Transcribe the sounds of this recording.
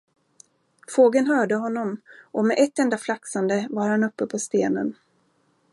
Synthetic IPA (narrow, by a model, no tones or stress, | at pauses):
foːɡənɦœːɖəɦɔnːɔmʔɔmɛʔɛt̪ːɛnd̪aflaksand̪əvaɾhanɵpːəpʰɔst̪eːnə̰n